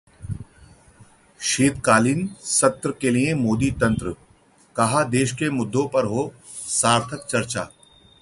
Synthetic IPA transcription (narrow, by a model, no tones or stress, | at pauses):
ʃeːt̪kaːliːnsɐt̪ɾəkelijẽmoːd̪it̪ɐ̃nt̪ɾə | kɐɦad̪eːʃkemʊd̪ʱːõpɐɾɦoː | saːɾt̪ʰəkt͡ʃɐɾt͡ʃa̰ː